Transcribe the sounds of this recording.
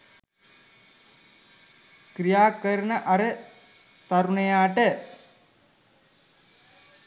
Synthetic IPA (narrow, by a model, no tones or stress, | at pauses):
kɾijaːkəɾɳəʔɐɾə | t̪ɐɾuɳɐjaːʈə